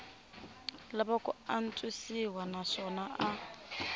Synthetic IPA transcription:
labakʼʊan̩t͡sʼwisiwanaʂɔnaʔa

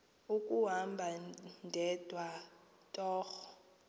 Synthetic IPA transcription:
ukʼuɦambʱandʱɛd̥ʱwa | tʼɔːxɔ

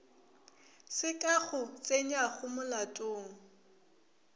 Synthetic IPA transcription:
sɪkʼaχʊt͡sʼeɲaχʊmʊlatʼʊːŋ̩

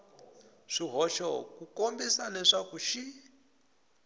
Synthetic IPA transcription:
ʂiɦɔʃɔkukombisalɛʂakuʃi

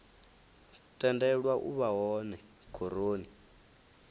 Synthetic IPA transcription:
tʼɛndɛɺwaʔṵβaɦɔnɛ | kʰoɾoːni

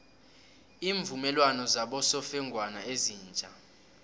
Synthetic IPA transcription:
iːɱvumɛlwanɔzaɓɔsɔfɛŋɡʱwanaeziːnt͡ʃʼa

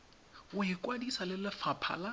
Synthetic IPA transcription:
ʊɪkʼwadisalɪlɪfapʰa̰la

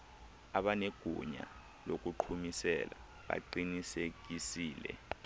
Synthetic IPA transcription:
aɓaneɡ̥ʱuɲa̰ | lok̬uǃʰumisɛ̰la | ɓa̰ǃinisek̬isiːlɛ̰

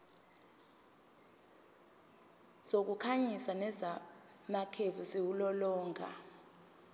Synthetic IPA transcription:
zok̬ukʰaɲisanɛza | makʰevusiwulɔlɔːŋʱa̰

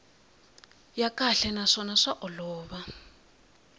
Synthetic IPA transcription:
jakaɬɛnaʂɔnaʂaʔɔlɔːβa

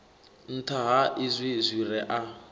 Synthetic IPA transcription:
n̩tʰaɦaʔɪzʷizʷiɾɛʔa

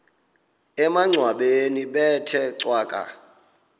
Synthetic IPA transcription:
ɛmaŋ͡ǀʱwaɓeniɓɛtʰɛǀwaːkʼa̰

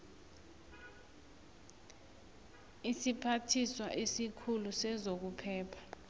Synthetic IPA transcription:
isipʰatʰiswaʔesikʰulusɛzok̬upʰɛːpʰḁ

